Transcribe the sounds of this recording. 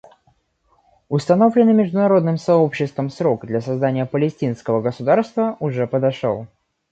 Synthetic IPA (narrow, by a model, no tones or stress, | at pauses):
ʊst̪ɐno̞vlʲɪnːɨmʲɪʐd̪ʊnɐɾo̞d̪nɨmsɐo̞pɕːɪst̪vəmsɾo̞kd̪lʲɐsɐzd̪anʲɪjəpəlʲɪsʲtʲinskəvəɡəsʊd̪arst̪vəʔʊʐɛpəd̪ɐʂo̰lˠ